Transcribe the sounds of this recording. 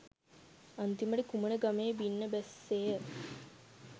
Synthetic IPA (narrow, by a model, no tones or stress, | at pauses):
ant̪iməɖikumənəɡameːbinːəbæsːeːə